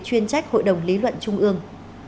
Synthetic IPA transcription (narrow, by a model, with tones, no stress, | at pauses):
t͡ɕwi˧ənt͡ɕa˦˥jk̚ho̰˧˨jɗə˨˩wŋ͡mli˨˦lwə̰˧˨nt͡ɕʊ˧ŋ͡mʔɨ˧əŋ